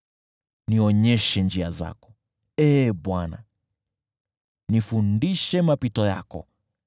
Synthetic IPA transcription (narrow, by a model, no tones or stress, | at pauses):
niɔɲɛʃɛnd͡ʒiaza̰kɔ̥ | ɛːɓwana̰ | nifundiʃɛmapitɔja̰kɔ̰